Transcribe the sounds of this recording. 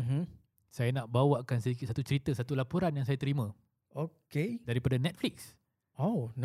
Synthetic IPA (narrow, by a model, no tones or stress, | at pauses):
m̩ | sajanaʔbawaʔkansədikit̪sat̪ut͡ʃəɾit̪əsat̪ulapuɾanjaŋsajat̪əɾimə̃ | okedaɾipadanɛt̪̚fliks | on